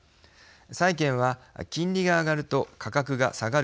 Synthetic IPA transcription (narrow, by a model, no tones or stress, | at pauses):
saikẽ̞ɰ̃βakʲĩɲʲɾʲiɡaːɡaɾɯ̟t̪o̞kʰakakɯ̟ɡa̰saɡaɾ